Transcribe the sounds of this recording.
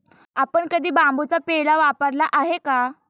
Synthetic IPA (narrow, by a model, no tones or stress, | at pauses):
apəɳkəd̪ʱiːbambut͡sapeɭaʋapəɾlaʔaɦeka